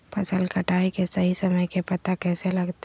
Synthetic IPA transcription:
pʰɐsəlkɐʈaːikesɐɦisɐməjkepɐt̪akɛːselɐɡt̪

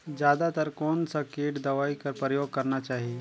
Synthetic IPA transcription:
d͡ʒjaːd̪at̪əɾkoːnsakeːʈd̪əʋaikəɾpɾəjoːɡ̚kəɾnat͡ʃaːɦie

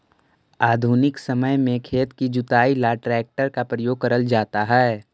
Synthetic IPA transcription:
aːd̪ʱunɪksəməjmẽkʰeːt̪kid͡ʒʊt̪aːilaʈɾɛːk̚ʈəɾkapɾəjoːɡ̚kəɾəld͡ʒaːt̪aɦɛː

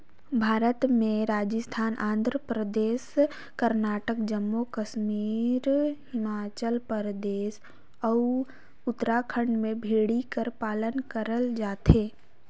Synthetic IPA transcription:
bʱaːɾət̪mẽɾaːd͡ʒəst̪ʰaːnʔã̰ːnd̪ʱɾəpɾəd̪eːs | kəɾnaːʈəkd͡ʒəmːokəʃmiːɾhɪmaːt͡ʃəlpəɾd̪eːs | ɔ | ʊt̪ɾakʰə̃ɳɖmẽbʱeːɽikəɾpaːlənkəɾəld͡ʒaːt̪eː

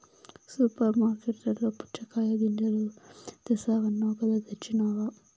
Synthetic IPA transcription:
supɐɾmaːɾkeʈːɐɾloːpu̥t͡ʃɐkaːjɐd̪inɖɐlut̪ɐsaːʋɐnːɐkɐd̪ɐd̪ɐt͡ʃːinaːʋa

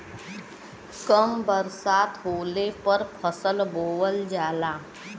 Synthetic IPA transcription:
kəmbəɾsaːt̪ɦoːlepəɾpʰəsəlboːʋəld͡ʒaːlaː

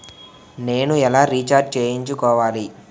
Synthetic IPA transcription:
ne̞ːnuɛlaːɾiːt͡ʃaːɾɖ̚t͡ʃeːjiɲt͡ʃukɔːʋaːli

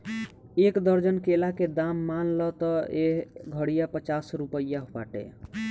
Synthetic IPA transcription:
ekd̪əɾd͡ʒənkelaked̪amːanlɔt̪ɔeɦɡʱəɽijapət͡ʃasɾupəjaɦpa̰ʈḛ

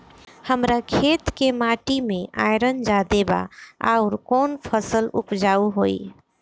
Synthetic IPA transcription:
həmɾakʰet̪kemaʈimẽa̰jɾənd͡ʒad̪eba̰a̰ʊɾkonpʰəsəlupd͡ʒauɦoi

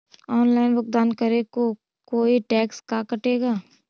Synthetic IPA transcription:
ɔːnlaːɪnbʊk̚d̪aːnkɐɾeko | koːiʈɛːkskakɐʈeːɡaː

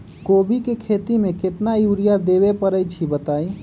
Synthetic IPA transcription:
kobikekʰet̪imeket̪najuɾijaɾd̪eβepəɾəjt͡ʃʰibət̪aj

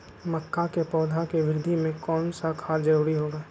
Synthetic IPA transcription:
məkːakepɔːd̪ʱakeʋɪɾɪd̪ʱimẽkɔːnsakʰaːɾd͡ʒɐɾuːɾiɦoːɡaː

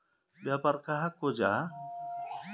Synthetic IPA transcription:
bjapaɾkaɦakod͡ʒa

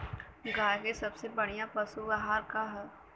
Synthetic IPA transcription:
ɡaːjkesɐbsebɐɽ̃ijapɐsubaɦaːɾkaɦɛ

